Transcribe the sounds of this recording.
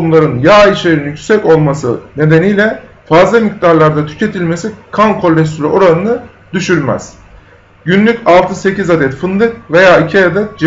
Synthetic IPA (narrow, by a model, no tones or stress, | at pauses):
umlˠaɾɯnjaːiʃeɾinjycysɛco̞lˠmasɯ̰ne̞d̪e̞nijlʲɛ | fazlˠamikd̪aɾlˠaɾd̪at̪ʰy̥cʰe̞t̪ʰilʲme̞sikʰankʰo̞lʲːɛst̪ʰylʲy̰ʔo̞ɾanɯnɯ | d̪̥yʃyɾmɛ̰z̥ | ɟynlʲycalˠt̪ʰɯse̞cizad̪ɛt̪fɯnd̪ɯkve̞jaːicʰiad̪ɛt̪̚d͡ʒ